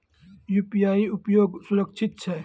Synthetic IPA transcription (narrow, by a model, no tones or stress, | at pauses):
juːpijaːiupjoːɡsʊɾəkt͡ʃʰɪt̪̚t͡ʃʰɛ